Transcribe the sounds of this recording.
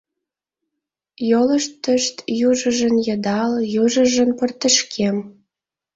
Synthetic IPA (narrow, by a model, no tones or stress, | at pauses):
jolə̆ʃt̪ːəʃt̪juʒə̆ʒə̆njɤ̆d̪ɑljuʒə̆ʒə̆npə̆rt̪ə̆ʃkʰem